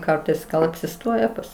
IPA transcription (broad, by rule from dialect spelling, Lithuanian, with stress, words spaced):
ˈkɐrtɐɪs ɡɐlˠ ɐpʲsʲɪˈstoːjɛ ˈpɐs